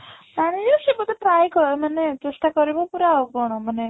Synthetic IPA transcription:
aɽ̃ijosebɔd̪eʈɾajkɔmanet̪esʈakɔɾebɔpuɾaɦoɡɔɽ̃ɔmane

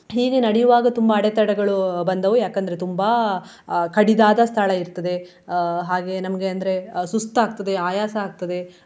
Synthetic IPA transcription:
ɦiːɡenɐɽɛjuʋaːɡɐt̪umbɐːɽet̪ɐɽɐɡɐɭubɐnd̪ɐʋujaːkɐnd̪ɐɾet̪umbɐ | kɐɽid̪aːd̪ɐst̪ʰaɭɐiɾt̪ɐd̪e̞ | ɦaːɡe̞nɐmɐɡe̞ɐnd̪ɐɾe̞sust̪aːɡ̚t̪ɐd̪e̞aːjaːsɐaːɡ̚t̪ɐd̪e̞

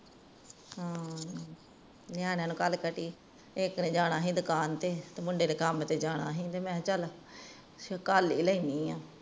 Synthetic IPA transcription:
ɦãː | nɪjaːneaːnũːkəlkəʈiː | eknẽːd͡ʒaːɽaːɦĩːd̪ʊkaːnt̪eːt̪eːmʊɳɖeːdeːkəmt̪eːd͡ʒaːɽa̰ːɦĩːt̪eːmɛ̃ːt͡ʃəl | kaːliːləiːniːãː

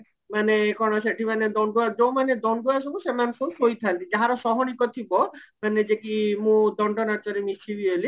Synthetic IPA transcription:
manekɔñɔʃeʈʰimaned̪ɔɳɖuad͡ʒow̃maned̪ɔɳɖuasɔbusemansosojt̪ʰant̪id͡ʒaɦaɾɔʃɔɦɔnikɔt̪ʰibɔmaned͡ʒekimũd̪ɔɳɖɔnaɾt͡ʃɔɾemit͡ʃʰibioli

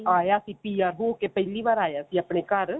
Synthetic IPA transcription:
aːjaːsĩːpiːaːɾɦoːkepɛɦliːʋaːɾaːjaːsĩːapɳeːkəɾ

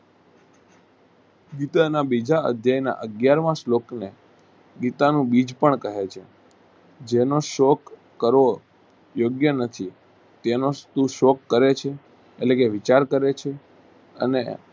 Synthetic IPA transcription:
ɡit̪anabid͡ʒaə̰d̪ʱjajna̰ʔəɡjaɾmãslokne | ɡit̪anũbid͡ʒpəɳkəɦet͡ʃʰe | d͡ʒenoʃɔkː | əɾʋo | joɡjənət̪ʰi | t̪enost̪uʃɔkːəɾet͡ʃʰeː | lekeʋit͡ʃaɾkəɾet͡ʃʰe | ə̰ne

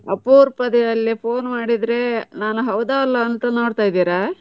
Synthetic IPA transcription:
ɐpːuːɾpɐd̪ɛjɐlːipʰoːnmaːɽid̪ɾe̞naːnuɦɐwd̪aːɐlːɐːnt̪ɐno̞ːɽt̪aːjd̪iːɾa

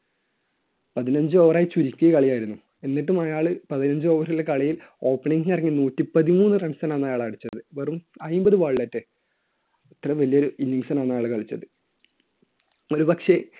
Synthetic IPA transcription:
pɐðinɐɲd͡ʑɨoːʋɐraːjit͡ɕuɾikʲːujɐkɐɭijaːjiɾunːu | e̞nːiʈːumaːjaːɭɨpɐðinɐɲd͡ʑɨo̞ːʋɐrilːekɐɭijilo̞ːpːɐɳiŋɡnɐrɐŋːinuːtːipɐðimuːnːɨrɐɳsanaːnːɐjaːɭaːɽut͡ɕːɐðɨʋerumɐjmbɐðɨʋaːɭːɐtːɨ | ɐt̪ːrɐʋɐlijoɾuinːiŋsɐnaːnːɐjaːɭɨkɐɭit͡ɕːɐðɨ | o̞ɾupɐkʂe̞

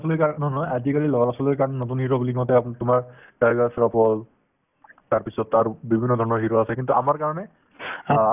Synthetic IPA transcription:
sɔlojkanɔnɔjazikalilɔɹasɔlojkaɹɔnɛnɔtunhiɹobulikɔtɛantʊmaɹ | ɡaɹiɡasɹɔpɔl | taɹpisɔtaɹubibʱinːɔdʱɔɹnɔɹɦiɹɔasɛkintuʔamaɹkaɹɔnɛ

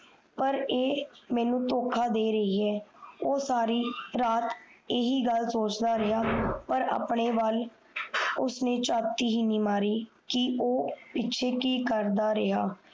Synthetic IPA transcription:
pəɾeːmɛ̃ːnũːt̪oːkʰaːd̪eːɾəɦiːɛːoːsaːɾiːɾaːt̪eːɦiːɡəlsoːt͡ʃd̪aːɾɪɦaːpəɾa̰ːpɳeːʋal | ʊsneːt͡ʃaːt̪iːɦiːniːmaːɾiː | kɪʔoːpɪːʃʰeːkiːkəɾd̪aːɾɪɦaː

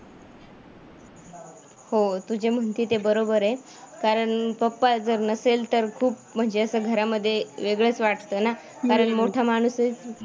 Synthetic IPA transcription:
hot̪ud͡ʑem̤əɳt̪iːt̪ebəɾobəɾe | kaɾəɳpəpːad͡zəɾnəselt̪əɾkʰuːpm̤əɳd͡ʑeəsəːɡʱəɾaməd̪ʱːjeʋeɡɭət͡sʋaʈt̪əːna | kaɾəɳmoʈʰamaɽ̃uset͡s

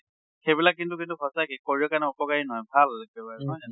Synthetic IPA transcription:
xejbilakːintukintukʰɔsakikoɹiɔkanɛɔpɔkaɹinɔɦɔjbʱalbɛbaɹnɔja

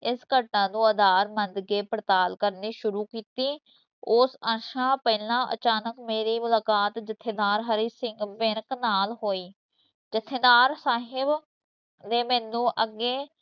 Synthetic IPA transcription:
ɪskəʈnãːd̪ũːəd̪aːɾmənd̪ɡeːpɾət̪aːlkəɾniːʃʊɾuːkiːt̪iː | ʊsə̃ʃãːpɛːlãːʔə̰t͡ʃaːnəkmeːɾiːmʊlaːkaːt̪d͡ʒɪt̪ʰːeːd̪aːɾɦəɾiːsɪŋɡʋeɾknaːlɦoːiː | d͡ʒɪt̪ʰːeːd̪aːɾsaːɦɪb | d̪eːmɛ̃ːnũːʔəɡːeː

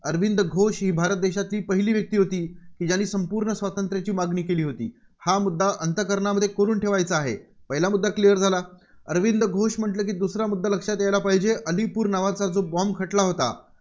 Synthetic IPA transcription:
əɾʋind̪əɡʱoɕɦiːbʱaɾət̪̚d̪eɕat̪liːpəɦiliːʋjək̚t̪iːɦot̪iːkiːd͡ʑjanːiːsəmpuːɾɳəsʋat̪ənt̪ɾjat͡ɕiːmaɡniːkeliːɦot̪ḭː | hamud̪ːaʔənt̪əkəɾɳaməd̪ʱːjekoɾuːnʈʰeʋajt͡səaɦḛpəɦilamud̪ʱːaklijəɾd͡zʱalaəɾʋind̪əɡʱoɕm̤əʈləːkiːd̪usɾjamud̪ʱːaləkʂat̪jajlapaɦid͡ʑeʔəlipuːɾnaʋat͡sad͡zobɔmkʰəʈlaɦot̪a̰

